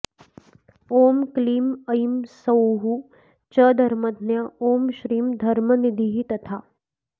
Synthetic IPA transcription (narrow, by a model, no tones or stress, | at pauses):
oːmkliːmɐimsɐwɦu | t͡ʃəd̪ʱɐɾmɐd̪ʱnjaoːmʃɾiːmd̪ʱɐɾmənid̪ʱiɦit̪ɐt̪ʰaː